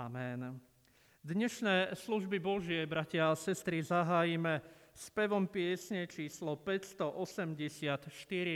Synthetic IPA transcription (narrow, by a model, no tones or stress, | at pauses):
amɛn | d̪ɲɛʃnɛːsluʒbibɔʒɪɛbɾacɪaːsɛst̪ɾizaɦaːjimɛspɛʋɔmpɪɛsɲɛt͡ʃiːslɔpɛcst̪ɔʔɔsɛmɟɛsɪat̪ʃt̪iɾi